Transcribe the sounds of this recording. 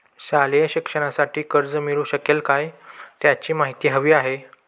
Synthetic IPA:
saljəɕikʂəɽ̃asaʈiːkəɾd͡zəmiɭuːɕəkelkajt̪jat͡ɕiːmaɦit̪iːɦəʋiːaɦe

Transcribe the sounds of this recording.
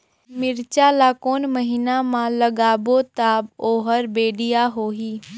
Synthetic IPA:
mɪɾt͡ʃalaːkoːnməɦiːnamãləɡaːbot̪aːboːɦəɾbeːɖijaɦoːɦiː

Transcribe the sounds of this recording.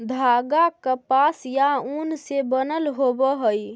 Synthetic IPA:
d̪ʱaɡakəpasjaunsebənəlɦobəɦəj

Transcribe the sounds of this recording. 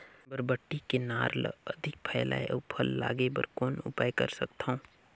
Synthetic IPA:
bəɾbəʈːikenaːɾl̰ɐd̪ʱɪk̚pʰəjla̰ːḛʔpʰəlːa̰ːɡebə̰ɾkoːnʊ̰paːjkə̰ɾsɐk̚t̪aõː

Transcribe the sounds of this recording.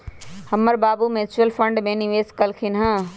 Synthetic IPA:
həmːəɾbaːbumet͡ʃəlpʰəɳɖmẽniʋeːskəlkʰinɦə̃

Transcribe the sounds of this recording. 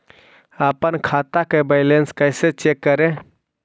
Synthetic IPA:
əpənkʰat̪akebəɪlenskəɪset͡ʃekːəɾe

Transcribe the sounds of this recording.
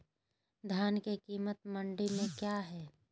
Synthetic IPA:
d̪ʱjaːnkekiːmət̪mə̃ɳɖimẽkjaːɦɛː

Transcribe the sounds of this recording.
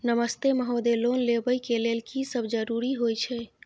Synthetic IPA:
nəməst̪eməɦod̪elonlebəjkelelkisəbʱd͡ʒəɾuɾiɦojt͡ʃʰɛ

